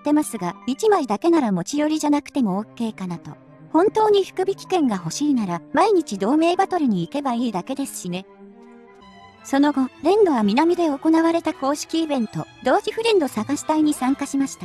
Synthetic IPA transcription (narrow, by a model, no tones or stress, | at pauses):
t̪ːe̞masɨɡait͡ɕimaid̪ake̞naɾamo̞t͡ɕijo̞ɾʲiʑanakɯ̟̥t̪e̞mo̞oːke̞ːkanat̪o̞̰ | hõ̞nt̪o̞ːɲ̟iɸɯ̟̥kɯ̟bʲikʲi̥kẽ̞ŋɡaɦo̞ɕiːnaɾamaiɲ̟it͡ɕid̪o̞ːme̞ːbat̪o̞ɾɯ̟ɲ̟iːke̞baiːd̪ake̞d̪e̞sɨ̥ɕine̞ | so̞no̞ɡo̞ɾẽ̞nd̪o̞βamʲinamʲid̪e̞o̞ko̞naβaɾe̞t̪ako̞ːɕi̥kʲiːbẽ̞nt̪o̞d̪o̞ːçʲiɸɯ̟ɾʲẽnd̪o̞saɡaɕi̥t̪aiɲ̟isãŋkaɕimaɕi̥t̪a